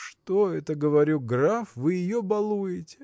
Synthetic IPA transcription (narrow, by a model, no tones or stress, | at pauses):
ʂt̪oɛt̪əɡəvɐɾʲuɡrafvɨjɪjobɐlˠujɪtʲɪ̥